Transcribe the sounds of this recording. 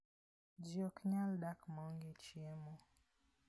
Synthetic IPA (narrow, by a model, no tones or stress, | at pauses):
d͡ʒiɔkɲaldakmɔŋɡit͡ʃiɛmɔ